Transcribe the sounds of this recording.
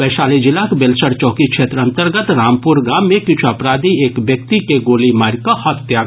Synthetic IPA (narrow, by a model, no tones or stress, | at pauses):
bɛːʃaːlid͡ʒɪlaːkbelsəɽt͡ʃɔːkikʃʰeːt̪ɾɐ̃nt̪əɾɡət̪ɾaːmpʊɾɡaːmːẽkɪt͡ʃʰuɐpɾaːd̪ieːkbjək̚t̪ikeɡoːlimaːɾkahɐt̪jaː